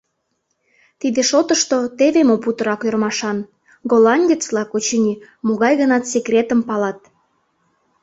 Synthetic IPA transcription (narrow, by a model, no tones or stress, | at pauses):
t̪id̪eʃot̪əʃt̪ot̪eβemoput̪ə̆ɾɑkørmɑʃɑn | ɡolɑnʲdʲet͡slɑkot͡ɕenʲi | moɣɑjɣənɑt̪sekrʲet̪əmpɑlɑt̪̚